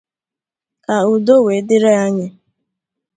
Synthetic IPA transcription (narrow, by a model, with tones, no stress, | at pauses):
ka˨u˨do˦we˨˦dɪ˦ɾe˦a˦ɲɪ˦